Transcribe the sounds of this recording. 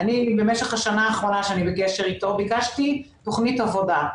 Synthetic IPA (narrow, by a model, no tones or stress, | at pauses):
anibe̞meʃe̞χhaʃanaːχʁo̞naʃeanibekeʃe̞ʁitobikaʃti | to̞χnitavo̞da